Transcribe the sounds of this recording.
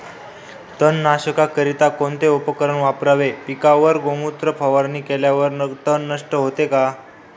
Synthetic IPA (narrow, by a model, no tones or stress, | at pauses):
t̪ənːaɕəkakəɾit̪akoɳt̪eupəkəɾəɳʋapɾaʋepikaʋəɾɡoŋut̪ɾəpʰəʋəɾniːkeljaʋəɾnt̪ənːəʂʈəɦot̪eka